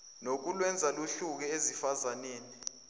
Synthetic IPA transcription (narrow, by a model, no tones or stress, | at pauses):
nok̬ulwɛnd͡zʱaluɬuk̬ɛezifazaneːni